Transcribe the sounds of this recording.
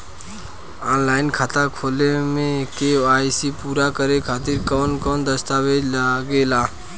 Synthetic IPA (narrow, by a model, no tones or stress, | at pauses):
ɔːnlaːɪnkʰat̪akʰoːlemẽkeaːisipuːɾakəɾekʰaːt̪ɪɾkɔːnkɔːnd̪əst̪aːʋed͡ʒlaɡeːlaː